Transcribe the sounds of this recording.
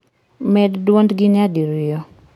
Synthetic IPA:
mɛddwondɡinɪadiɾɪjɔ

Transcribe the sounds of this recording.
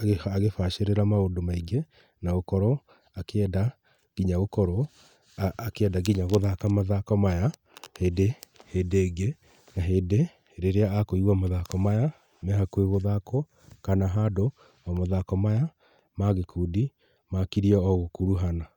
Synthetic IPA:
ɣaɣefaʃeɾeɾamaondomaiɡe | naɣokɔɾɔ | akɛda | ɡiɲaɣokɔɾɔː | keɛdaɡiɲaɣoðakamaðakɔmaja | heːdeheːdeːɡe | naɦeːde | ɾeɾeaakoiɣwamaðakɔmaja | mɛhakweɣoðakɔ | kanaɦado | amoðakɔmaja | maɣekuːdi | makiɾiɔɔɣokuɾuɦana

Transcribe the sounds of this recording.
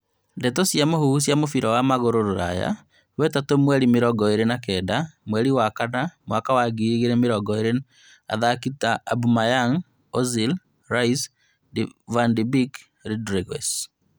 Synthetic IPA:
ndɛtosjamohuhusjamofiɾɔwamaɣoɾoɾoɾa̰ja̰ | wɛtatomwɛɾimeɾɔɡɔeɾenakɛdamwɛɾiwakanamwakawaɡiɣeɾɛmeɾɔɡɔeɾe | a̰ðakitaːbumajaŋ | ɔzil | ɾais | dvandibik | ɾidɾeɣɛs

